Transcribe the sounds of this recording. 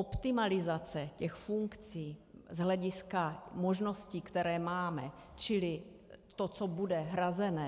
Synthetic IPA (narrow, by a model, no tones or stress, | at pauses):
ʔopt̪ɪmalɪzat͡sɛcɛxfuŋkt͡siːzɦlɛɟɪskamoʒno̞sciːkt̪ɛɾɛːmaːmɛ | t͡ʃɪlɪ | t̪ot͡sobudɛɦɾazɛnɛː